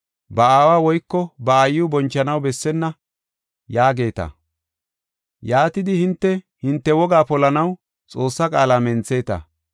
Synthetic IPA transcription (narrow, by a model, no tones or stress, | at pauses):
bɐaːwaːwɔjkːɔbɐːjːʊbɔnt͡ʃːɐnɐwbɛsːɛnːɐ | jaːɡe̞ːt̪ɐ̰ | jaːt̪ɪd̪ɪhɪnt̪ːɛhɪnt̪ːɛwɔɡaːpɔlɐnɐw | t͡sʼo̞ːsːɐkʼaːlamɛnt͡sːe̞ːt̪ɐ̰